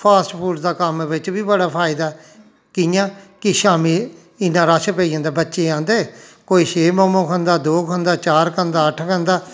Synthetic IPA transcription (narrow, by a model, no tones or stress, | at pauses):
pʰaːsʈpʰuːɖd̪aːkəmʋɪt͡ʃʋiːbəɽaːpʰaːɪd̪aː | kɪjãːkɪʃaːmiː | ɪnãːɾaːʃpeːid͡ʒə̃nd̪aːbətːʃeːãːnd̪eːkoːiːʃeːmɔːmõːkʰə̃nd̪aːd̪oːkʰə̃nd̪aːt͡ʃaːɾkənd̪aːəʈʰkənd̪aː